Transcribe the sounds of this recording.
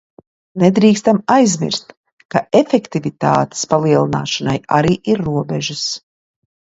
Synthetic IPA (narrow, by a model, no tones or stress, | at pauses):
nɛd̪ɾiːkst̪amajzmḭɾst̪ | kaʔefɛkt̪ivit̪a̰ːt̪e̥spalˠiɛlˠina̰ːʃanaja̰ɾiːʔiɾːuɔbɛʒus